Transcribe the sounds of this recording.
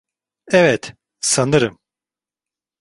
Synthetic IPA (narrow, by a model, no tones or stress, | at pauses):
ɛvɛt̪ | sanɯɾɯm